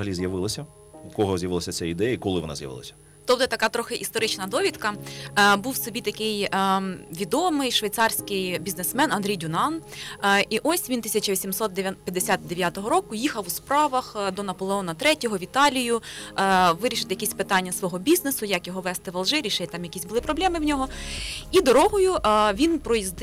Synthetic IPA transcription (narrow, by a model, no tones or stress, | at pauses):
ɦɐlʲizjɐʋɪlˠɐsʲɐ | kɔɦɔzʲjɐʋɪlˠɐsʲɐt͡s̪ʲɛid̪ɛjɐikɔlˠɪʋɔnɑ̰zjɐ̰ʋɪ̰lˠɐ̰sʲɐ̥ | t̪ɔbd̪ɛt̪ɐkɑt̪ɾɔxɪʔist̪ɔɾɪt͡ʃnɐd̪ɔʋʲit̪kɐbuwsɔbʲit̪ɐkɪj | ʋʲid̪ɔmɪjʃʋɐjt̪sɑrsʲkɪjbʲiznesmɛnɐnd̪ɾʲijdʲʊnɑn | iʔɔsʲʋʲint̪ɪ̥sʲɐt͡ʃɐʋʲisʲimsɔt̪d̪pʲjɐd̪esʲat̪̚d̪eʋjat̪ɔɦɔɾɔkʊjixɐwspɾɑʋɐxd̪ɔnɐpɔlˠeɔnɐt̪ɾɛtʲɔɦɔʋʲit̪ɑlʲijʊ | ʋɪɾʲiʃɪt̪jɐkʲisʲpɪt̪ɑnʲːɐsʋɔɦɔbʲiznesʊjɐkjɔɦɔʋɛst̪ɪʋɐlˠʒɪɾʲiʃɛjʲt̪ɑmjɐkʲizʲbʊlˠɪpɾɔblʲˠɛmɪwnʲɔɦɔid̪ɔɾɔɦʊjʊʔʋʲinpɾɔjizd̪